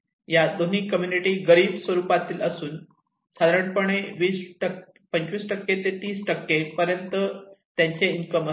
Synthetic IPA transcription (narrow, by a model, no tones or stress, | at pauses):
jad̪on̤iːkəmjuniʈiɡəɾiːbsʋəɾupat̪iːləsuːn | sad̪ɾəɳpəɳ̃eʋiːsʈə | pəɲt͡ɕʋiːsʈəkːet̪et̪iːsʈəkːepəɾjənt̪ət̪jaɲt͡ɕeiŋkəmə